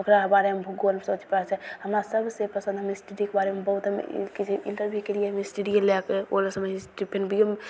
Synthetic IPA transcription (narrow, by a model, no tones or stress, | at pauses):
okɾabaɾemebʱuɡoəlmesot͡ʃpəɛt͡ʃʰɛɦəmɾasəbʱsepəsə̃nd̪ʱɦəmesʈeɖikebaɾemebəɦut̪ɦəmḛkit͡ʃʰeinʈəɾbʱjukelijeɦəmesʈeɖielɛkeo̰lasəbisʈipʰenbʱijəm